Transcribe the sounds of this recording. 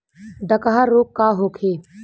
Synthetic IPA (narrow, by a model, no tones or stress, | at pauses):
ɖ̪əkaɦaɾoːkːaːɦoːkʰeː